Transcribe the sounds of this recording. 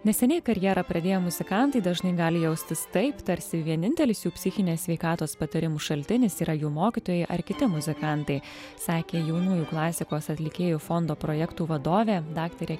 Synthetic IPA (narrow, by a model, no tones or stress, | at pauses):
nʲɛsʲɛnʲɛɪkɐɾʲjɛɾɐpɾɐd̪ʲeːjoːmʊzʲɪkɑˑnt̪ɐɪd̪ɐʒnɐɪɡɑːlʲɪjɛʊsʲt̪ʲɪst̪ɐɪpt̪ɐɾʲsʲɪʋʲiɛnʲɪnʲt̪ʲɛlʲɪsjuːpʲsʲɪxʲɪnʲeːsʲʋʲɛɪkɑːt̪oːspɐt̪ɐɾʲɪmuːʃɐlʲt̪ʲɪnʲɪsiːɾɐjuːmoːkʲit̪oːjɛɪʔɐɾkʲɪt̪ʲɪmʊzʲɪkɑˑnt̪ɐɪ | sɑːkʲeːjɛʊnuːjuːklˠɑːsʲɪkoːsɐt̪ʲlʲɪkʲeːjuːfɔnd̪oːpɾoːjɛkt̪uːʋɐd̪oːʋʲeːd̪ɑːkt̪ɐɾʲe